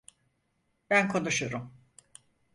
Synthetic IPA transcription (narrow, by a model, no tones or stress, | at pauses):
bænkʰonuʃuɾum